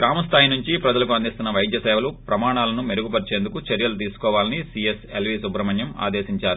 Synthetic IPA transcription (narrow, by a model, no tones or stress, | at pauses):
kɾaːmɐst̪ʰaːjinuɲt͡ʃipɾɐd͡ʒɐlɐkuɐnd̪ist̪unːɐʋɐjd̪ʱjɐsɛːʋɐlupɾɐmaːɳaːlɐnumeɾuɡupɐɾt͡ʃe̞ːnd̪ukut͡ʃɐɾjɐlut̪̬iːsu̥kɔːʋaːlɐnisieselʋisubɾɐmɐɲjɐma̰ːd̪eːsiɲt͡ʃaːɾu